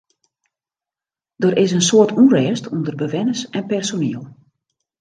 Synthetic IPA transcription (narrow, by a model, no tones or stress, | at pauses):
d̥əɾɪs̬ənsoərtʰurɛːstʰundərbəʋɛnəsɛnpɛrsoniəlˠ